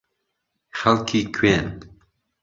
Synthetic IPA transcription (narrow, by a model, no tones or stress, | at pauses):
xalkʰikʰwen